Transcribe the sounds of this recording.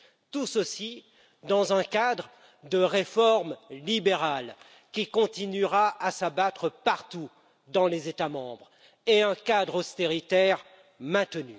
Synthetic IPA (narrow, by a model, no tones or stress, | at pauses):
t̪usəsi | d̪ɑ̃zɛ̃kad̪ʁ | d̪əʁefɔʁmlibeʁal | kʲikɔ̃t̪inyʁaasabat̪χəpaʁt̪u | d̪ɑ̃lezet̪amɑ̃bʁ | eɛ̃kad̪ʁɔst̪eʁit̪ɛʁ | mɛ̃t̪əny